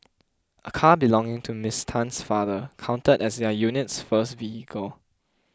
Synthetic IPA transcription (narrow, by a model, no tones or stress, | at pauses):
ʔəkʰabilɔ̃ŋɪ̃ŋtʰumɪstʰãnsfaðəkʰãʊ̃ntədɛsdɛjunɪtsfəstvihikʰəl